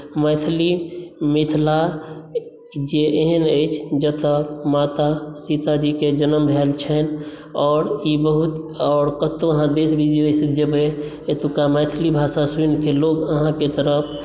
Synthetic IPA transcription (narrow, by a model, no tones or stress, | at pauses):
məɪt̪ʰlimit̪ʰla | d͡ʒeʔeɦənəɪt͡ʃʰd͡ʒət̪əmat̪asit̪ad͡ʒiked͡ʒənəmbʱɛlt͡ʃʰɛn | ɔːɾibəɦut̪ | ɔːɾkət̪oəɦãd̪esbʱid̪ijoisəd͡ʒəbɦe | et̪ukaməɪt̪ʰlibʱaːsasunkeloɡəɦãket̪əɾəpʰ